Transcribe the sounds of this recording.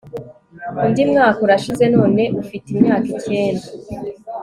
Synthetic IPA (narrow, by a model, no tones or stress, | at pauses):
ndimŋaːkuɾaʃize̞no̞ːne̞ʔufitimɲaːkice̞ːnda